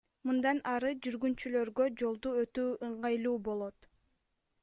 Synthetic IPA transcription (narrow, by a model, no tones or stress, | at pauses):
mɯnd̪ɑnɑɾɯd͡ʒyɾɡynt͡ʃylø̞ɾɡø̞d͡ʒo̞lˠd̪uø̞t̪yːʔɯɴʁɑjlˠuːbo̞lˠo̞t̪